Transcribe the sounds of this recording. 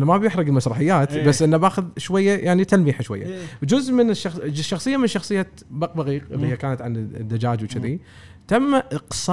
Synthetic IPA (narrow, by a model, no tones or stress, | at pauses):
nːamabjɪħɾˤɑɡɪlmasɾˤɑħɪjːaːt̪basːʔɪnːabaːxʊðʃwajːajʔaʕnit̪almiħaʃwa̰jːa̰d͡ʒʊzʔmɪnʃːɑʃːɑxsˤɨjːamɪnʃɑxsˤɨjːa | baq̚baɣiːqʔɪ̰lhijakaːnat̪ʕand̪ːad͡ʒaːd͡ʒwt͡ʃɪði | t̪amːaʔɨqsˤɑ